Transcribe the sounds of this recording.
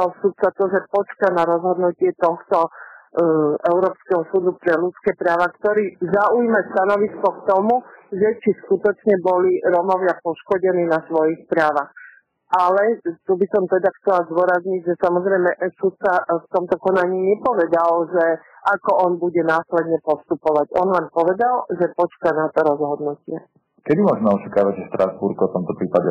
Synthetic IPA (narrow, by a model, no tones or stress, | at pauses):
alsut̪̚t͡sat̪ɔʒɛpɔt͡ʃkanaɾɔzɦɔd̪nucɪɛt̪ɔxt̪ɔ | ʔɛʊɾɔːpskɛɦɔsuːd̪upɾɛlut͡skɛːpɾaːʋakt̪ɔɾiːzaujmast̪anɔʋiskɔkt̪ɔmuʒɛt͡ʃiskut̪ɔt͡ʃɲɛbɔliɾɔmɔʋɪapɔʃkɔɟɛniːnasʋɔjixpɾaːʋax | ʔalɛt̪ubisɔmt̪ɛd̪axt͡sɛlazd̪ʊɔɾazɲiɟʒɛsamɔzɾɛjmɛsut̪̚t͡saft̪ɔmt̪ɔkɔnaɲiːɲɛpɔʋɛd̪alʒɛ | ʔakɔʔɔnbuɟɛnaːslɛd̪ɲɛpɔst̪upɔʋaɟɔnlɛmpɔʋɛd̪alʒɛpɔt͡ʃkanat̪ɔɾɔzɦɔd̪nucɪɛ | kɛd̪imʊɔʒmɛɔt͡ʃakaːʋaɟʒɛʃt̪ɾazbuɾkɔft̪ɔmt̪ɔpɾiːpaɟɛ